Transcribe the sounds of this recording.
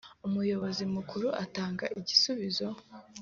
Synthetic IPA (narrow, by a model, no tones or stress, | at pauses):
umujo̞βo̞zimukʰuɾuʔataːŋɡaʔiɟisuβizo̞